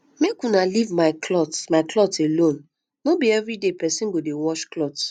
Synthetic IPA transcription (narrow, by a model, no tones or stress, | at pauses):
mekunalivmaɪkʰlɔtmaɪklɔtelõn | nobiɛvɹidepɛsĩnɡodewɔʃklɔt